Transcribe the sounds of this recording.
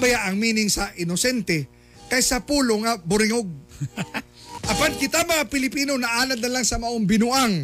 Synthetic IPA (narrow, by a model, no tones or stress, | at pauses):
bɐjaʔɐŋmiːnɪŋsɐʔɪnosɛnt̪ɛ | kɐjsɐpuːloŋɐbʊɾɪŋoɡ̚ | ʔɐpankɪt̪amɐŋapɪlɪpiːno̞nɐʔaːnɐd̪nɐlaŋsɐmɐʔoŋbɪnuʔaŋ